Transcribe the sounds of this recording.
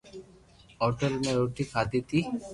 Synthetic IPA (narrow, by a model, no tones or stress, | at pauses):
ɔɾʈəɾmeɾoʈikʰad̪it̪i